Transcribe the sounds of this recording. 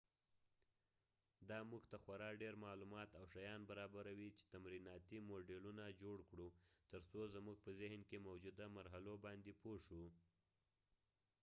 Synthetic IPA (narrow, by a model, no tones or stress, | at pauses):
d̪ɑmuɡt̪axwaɾɑɖeɾmɑlumɑt̪awʃajɑnbaɾɑbaɾawit͡ʃe̥t̪amɾinɑt̪imoɖelunad͡ʒoɽkɽut̪əɾsozmuɡ̚pəzɪhnkemawd͡ʒud̪amaɾɦalobɑnd̪epoʂu